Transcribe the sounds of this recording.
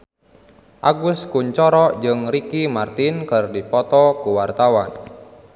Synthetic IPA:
ʔaɡʊskuɲt͡ʃɔɾɔd͡ʒɨŋrikimart̪inkɨrdipɔt̪ɔkuwart̪awan

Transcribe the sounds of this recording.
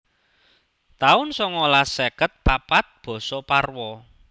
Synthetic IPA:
t̪aʊnsɔŋɔlasekət̪̚papat̪̚b̥ɔ̤sɔparwɔ

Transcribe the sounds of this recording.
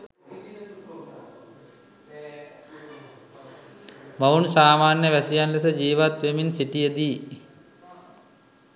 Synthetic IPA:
maunsaːmaːnjəʋæsijanlesəd͡ʒiːʋat̪ʋeminsiʈijəd̪iː

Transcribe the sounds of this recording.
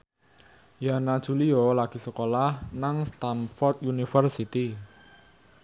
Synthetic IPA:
janad̥ʒ̥ṳliɔlaɡ̥i̤səkolahnaŋst̪amfɔrt̪̚junifərsit̪i

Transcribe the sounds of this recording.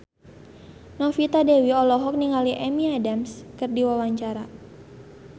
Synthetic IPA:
nɔfit̪adewiɔlɔɦɔk̚niŋaliʔɛmiadamskɨrdiwawaɲt͡ʃaɾa

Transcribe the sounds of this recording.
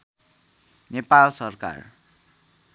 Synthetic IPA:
nepalsʌrka̰r

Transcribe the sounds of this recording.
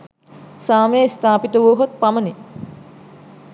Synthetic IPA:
saːmest̪ʰaːpit̪əʋoːɦot̪̚paməni

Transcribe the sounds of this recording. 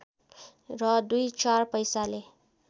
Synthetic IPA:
rʌd̪ujt͡sarpʌjsale

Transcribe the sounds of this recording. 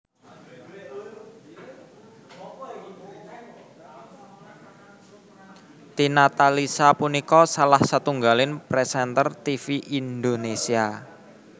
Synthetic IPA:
t̪inat̪alisapunikɔsalahsat̪uŋɡalɪnpɾɛsɛnt̪ərt̪ifiʔind̪onesia

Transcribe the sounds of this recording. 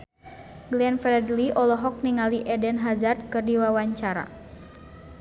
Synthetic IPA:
ɡlɛnfɾɛdliʔɔlɔɦɔk̚niŋaliʔɛdɛnɦazard̪̚kɨrdiwawaɲt͡ʃaɾa̰

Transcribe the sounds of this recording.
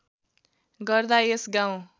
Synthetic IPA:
ɡʌrd̪aesɡaw̃

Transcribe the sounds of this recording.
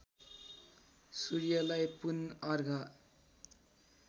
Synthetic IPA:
suɾjʌlajpunʌrɡʱʌ

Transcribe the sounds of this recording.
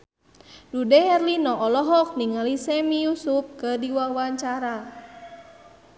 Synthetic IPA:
dudɛhɛrlinɔʔɔlɔɦɔk̚niŋalisɛmijusup̚kədiwawaɲt͡ʃaɾa

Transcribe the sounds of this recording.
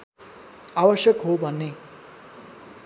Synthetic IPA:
awʌsjʌkɦobʱʌnːe

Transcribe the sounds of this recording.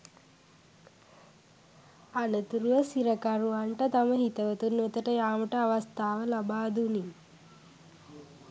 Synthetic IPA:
ɐnɐt̪uɾuʋɐsiɾɐkɐɾuʋaɳʈɐt̪ɐmɐɦit̪ɐʋɐt̪unet̪əʈəjaːmɐʈɐɐʋɐst̪ʰaːʋəlɐbaːd̪uni

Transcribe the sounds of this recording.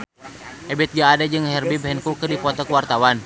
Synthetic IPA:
ʔɛbɛt̪̚ɡaːdad͡ʒɨŋhɛrbibɦɛnkukɨrdipɔt̪ɔkəwart̪awan

